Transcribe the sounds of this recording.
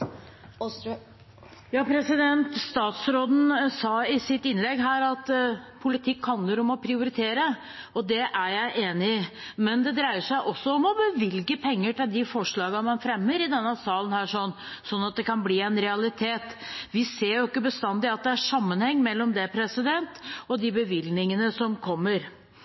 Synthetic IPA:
jɑːpʰɾɛsɪd̪ɛnt̪st̪ɑːt̪sɾoːd̪n̩sɑːɪsɪt̪ɪnlɛɡɦæːɾɑt̪pʰʊlɪt̪ʰɪkːhɑnəɾɔmɔpʰɾɪʊɾɪt̪ʰeːɾə | ɔd̪ɛʔæɾjæɪʔeːnɪmɛnd̪ɛd̪ɾæɪəʂæɪʔɔsːɔɔmɔbəʋɪlɡəpʰɛŋːəʈɪld̪ɪfɔʂɭɑːɡɑmɑnfɾɛmːəɾɪd̪ɛnːəsɑːlənhæːʂɔnː | sɔnːɑt̪̚d̪ɛkɑnbliːɛnɾɛɑlɪt̪ʰeːt̪ʋɪseːɾjʊɪkːəbəst̪ɑnd̪ɪɑt̪̚d̪ɛæʂɑmːənhɛŋːmɛlːɔmd̪ɛpʰɾɛsɪd̪ɛnt̪ɔd̪ɪbəʋɪlnɪŋənəsɔmkʰɔmːəɾ

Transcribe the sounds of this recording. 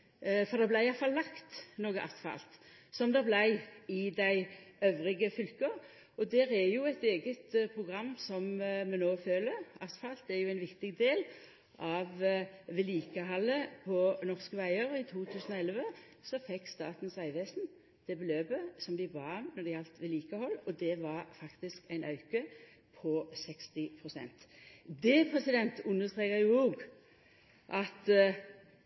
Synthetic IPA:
fɔʁd̪ɛblæɪɪjɑfɑlːɑkt̪noːɡəʔɑst̪fɑ̰lt̪sɔmd̪ɛblæɪɪd̪æɪøːʋʁɪɡəfʏlkəʁ | ɔd̪æːʁæjʊɛt̪eːɡət̪pʰʁʊɡʁɑmːsɔmmɛnoːføːləɾɑst̪fɑlt̪ɛjʊæɪnʋɪkt̪ɪɡd̪eːl | ʔɑʋʋɛliːkəɦɑlːəpʰɔnɔʁskəʋæɪəɾɪt̪ʰuːt̪ʰʉːsən̩ɔɛlʋə | sɔfɛkːst̪ɑ̰ːt̪n̩sʋæɪʋeːsn̩ | d̪̥ɛbəløːbəsɔmd̪ɪbɑnɔd̪ɛɪɑlt̪ʋɪliːkəhɔlːɔd̪ɛʋɑʁfɑkt̪ɪskæɪnʔɑʉkə | pʰɔsɛkst̪ɪpʰʁʊsɛ̰nt̪d̪ɛpʰʁɛsɪd̪ɛnt̪ʉnːəst̪ʁeːkəʁjʊoːɡ | ʔɑt̪

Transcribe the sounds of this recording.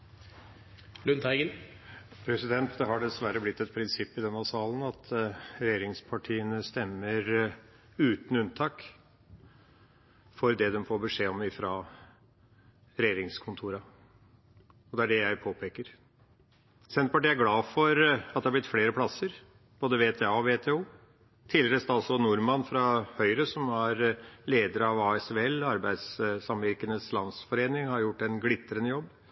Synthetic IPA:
lʉnt̪ʰæɪɡən | pʰɾɛsɪd̪ɛnt̪d̪ɛɦɑɖɛsʋæɾəblɪt̪ːɛt̪pʰɾɪnsɪpːɪd̪ɛnhɑsɑːlənɑt̪ʰɾɛjeːɾɪŋspʰɑʈʰiːənəst̪ɛmːəɾ | ʉːt̪n̩ʉnt̪ʰɑːk | fɔɾd̪ɛd̪ɛmfoːɾbəʂeːɔmɪfɾɑ | ɾɛjeːɾɪŋskʰʊnt̪ʰuːɾɑ | ɔd̪ɛæɖɛjæɪpʰoːpʰeːkəɾ | sɛnpɑʈiːæɾɡlɑːfɔɾɑt̪d̪ɛhɑblɪt̪fleːɾəpʰlɑsəɾ | b̥oːd̪əʋeːt̪ʰeːɑːɔʋeːt̪ʰeːuː | t̪ʰɪlːɾəst̪ɑlsɔnʊɾmɑnfɾɑhœʏɾəsɔmæɾleːd̪əɾəɑʋɑːɛseɛlɑɾbæɪd̪ssɑmʋɪɾkənəslɑnsfɔɾeːnɪŋhɑɾjʊʈːɛnɡlɪt̪ːəɾənəjɔbː

